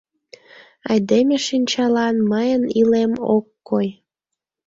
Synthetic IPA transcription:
ɑjd̪emeʃinʲt͡ɕɑlɑnməjənilemo̰kːoj

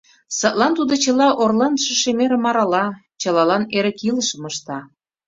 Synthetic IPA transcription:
sət̪lɑnt̪ud̪ot͡ɕə̆lɑʔorlɑnʃə̆ʃemeɾə̆mɑɾɑlɑ | t͡ɕɤ̆lɑlɑneɾə̆kilə̆ʃə̆məʃt̪ɑ

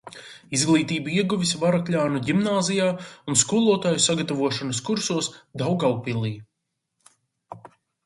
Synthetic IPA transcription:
izɡlˠiːt̪iːbiɛɡuvisvaɾakʎʲaːnuɟimnaːzijaːunskulˠuɔt̪aːjusaɡat̪avuɔʃanɐskuɾsuɔsd̪awɡawpilˠiː

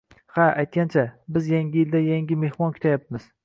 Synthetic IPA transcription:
haajt̪̚kʲant͡ʃʰabɪzjaŋɡʲɪjɪld̪ajaŋɡʲɪme̞hmɒnkʰʊ̥t̪ʰajap̚mɪz̥

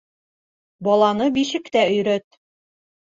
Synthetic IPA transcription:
bɒlˠɑnɤbiʃɘ̆kt̪æɵ̆jɾœt̪̚

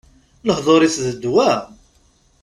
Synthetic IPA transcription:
ləhðˤoɾˤiθðəd̪wæ

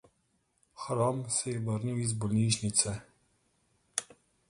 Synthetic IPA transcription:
xɾɔmsɛjɛbəɾniwizbɔlniːʃnit̪sɛ

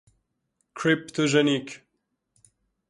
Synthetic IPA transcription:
kʰɹipt̪ʰoʒɛnik

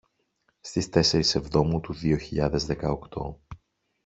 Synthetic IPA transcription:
st̪ist̪e̞se̞ɾise̞vðo̞mut̪uðio̞çiʎɐðe̞zðe̞kɐokt̪o̞̰

